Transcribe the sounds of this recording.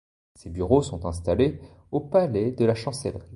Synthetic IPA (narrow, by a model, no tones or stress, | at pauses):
sebyʁosɔ̃t̪ɛ̃st̪ale | opalɛd̪əlaʃɑ̃sɛlʁi